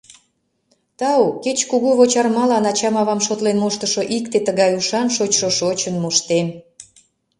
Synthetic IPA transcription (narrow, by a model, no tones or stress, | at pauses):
t̪ɑuket͡ɕkuɣuβot͡ɕɑrmɑlɑnɑt͡ɕɑmɑβɑmʃot̪lenmoʃt̪əʃoʔikt̪et̪əɣɑjuʃɑnʃot͡ɕʃoʃot͡ɕənmoʃt̪en